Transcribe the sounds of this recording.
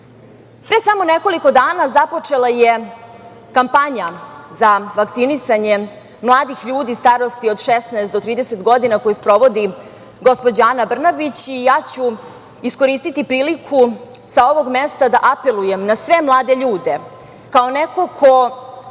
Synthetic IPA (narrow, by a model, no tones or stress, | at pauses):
pɾesamo̞neko̞liko̞d̪aːnazapo̞t͡ʂe̞lˠaje | kampaɲazaʋakt̪sinisaɲe̞ | mlˠaːd̪ixʎuːd̪ist̪aɾo̞st̪io̞d̪ʃesnaest̪d̪o̞t̪ɾiːd̪ese̞t̪ɡo̞d̪inako̞juspɾo̞ʋo̞d̪i | ɡo̞spo̞d͡ʑaːnabr̩nabit͡ɕijaːt͡ɕu | isko̞ɾiːst̪it̪ipɾiːlikʰu | sao̞ʋo̞ɡmest̪ad̪aʔape̞lˠujemnasʋe̞mlˠaːd̪e̞ʎuːd̪e̞ | kaoneko̞kʰo